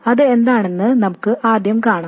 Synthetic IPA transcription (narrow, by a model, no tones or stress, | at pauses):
ɐðɨe̞nd̪aːɳenːɨnɐmukːɨʔaːd̪jɐmkaːɳa